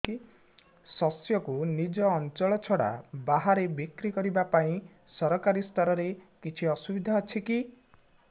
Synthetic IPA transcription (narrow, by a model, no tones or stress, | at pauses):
i | sɔsjɔkunid͡ʒɔːnt͡ʃɔɭɔt͡ʃʰɔɽa̰baɦaɾebikɾikɔɾibapaĩ | sɔɾɔkaɾist̪ɔɾɔɾekit͡ʃʰiɔsubid̪ʱaɔt͡ʃʰiki